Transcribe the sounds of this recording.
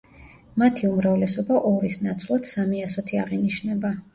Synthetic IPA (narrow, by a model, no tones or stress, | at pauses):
mat̪ʰiumɾavlɛsɔbaʔɔɾisnat̪sʰvlˠad̪̥samiasɔt̪ʰiaʁiniʃnɛba